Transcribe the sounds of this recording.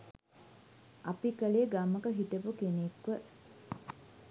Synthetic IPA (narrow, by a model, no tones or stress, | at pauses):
ʔapikəleːɡaməkəɦit̪əpukenekʋə